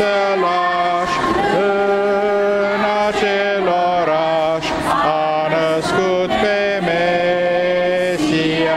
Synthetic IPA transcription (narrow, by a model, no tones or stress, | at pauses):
ə | la | ʃ | ə | na | t͡ʃe | lɔ | ɾa | ʃ | a | nə | sku | t̪pe | me | si